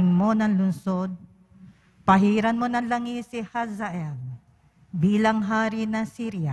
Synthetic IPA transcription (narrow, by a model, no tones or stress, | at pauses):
ŋmo̞nɐŋlʊnsod̪̚ | pɐɦiːɾɐnmo̞nɐŋlɐŋisɪhasɐʔɛl | biːlɐŋɦaːɾɪnɐsiːɾja